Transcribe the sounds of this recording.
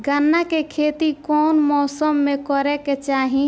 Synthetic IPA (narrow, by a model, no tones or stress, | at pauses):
ɡənːakekʰeːt̪ikɔːnmɔːsəmːekɔɾɛket͡ʃaːɦĩ